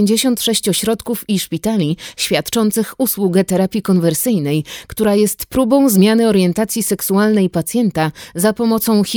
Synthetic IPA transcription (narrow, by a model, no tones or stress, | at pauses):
ɲd͡ʑeɕɔnt̪ʂɛɕt͡ɕɔɕɾɔt̪kufiʂpʲit̪alʲiɕfʲjat̪t͡ʂɔnt̪sɘxuswuɡɛt̪ɛɾapʲjikɔnvɛɾsɘjnɛjkt̪uɾajɛst̪pɾubɔ̃w̃zmʲjanɘɔɾjɛnt̪at̪sʲjisɛksualnɛjpat̪sʲjɛnt̪azapɔmɔt̪sɔ̃w̃xʲ